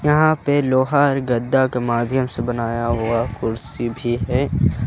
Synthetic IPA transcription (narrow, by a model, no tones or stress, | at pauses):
jɐɦãpeloːɦaɔɾɡɐd̪ːakemaːd̪ʱjəmsebɐnaːjaɦʊakʊɾsibʱiɦɛː